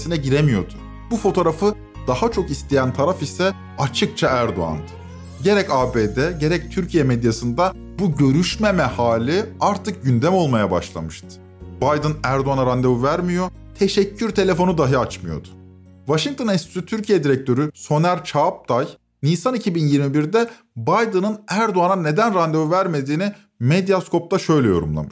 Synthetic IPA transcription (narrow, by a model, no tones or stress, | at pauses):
sinɛɟiɾemijo̞d̪̥ʊ | bufo̞t̪ʰo̞ɾafɯ | d̪̥ahat͡ʃʰo̞kist̪ʰe̞jænt̪ʰaɾafisɛ | at͡ʃʰɯk̚t͡ʃʰaæɾd̪o̰a̰nd̪ɯ̥ | ɟe̞ɾɛcaːbeːd̪ɛɟe̞ɾɛc̚t̪ʰyɾcʰijɛmed̪jasɯnd̪a | buɟø̞ɾyʃmemɛhaːlʲiaɾt̪ʰɯk̚ɟynd̪ɛmo̞lˠmajaba̰ʃlˠa̰mɯʃt̪ʰɯ̥ | bajd̪ɯnæɾd̪oanaɾand̪evuvæɾmijo̞ | t̪ʰe̞ʃɛcʰːyɾt̪ʰe̞lʲe̞fo̞nud̪aɦɯat͡ʃmɯjo̞̰d̪̥ʊ̥ | vaʃiŋkt̪ʰonist̪y̥sit̪ʰyɾcʰijɛd̪iɾɛc̚t̪ʰø̞ɾyso̞næɾt͡ʃʰaːp̚t̪ʰaj | niːsanicʰibinjiɾmibiɾd̪ɛ | bajd̪ɯnɯnæɾd̪oanane̞d̪ænɾand̪evuvæɾme̞d̪iːni | med̪ijaskʰo̞p̚t̪ʰaʃø̞jlʲɛjo̞̰ɾṵmlˠa̰mɯʃ